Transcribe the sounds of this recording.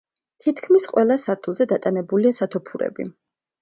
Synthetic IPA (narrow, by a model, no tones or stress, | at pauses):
t̪ʰit̪ʰkʰmisqʼwɛlˠasaɾt̪ʰulˠzɛd̪at̪ʼanɛbuliasat̪ʰɔpʰuɾɛ̰bḭ